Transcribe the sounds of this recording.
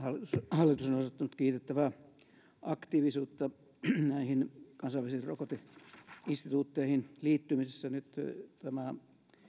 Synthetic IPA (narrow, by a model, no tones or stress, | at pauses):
hɑlit̪ushɑlːit̪usonosot̪ːɑnut̪kiːt̪et̪ːæʋæ | ʔɑkt̪iːʋisuːt̪ːɑ | næihinkɑnsɑiʋælisirrokot̪iinst̪it̪uːt̪ːeihinliːt̪ːymisesːænyt̪t̪æmæ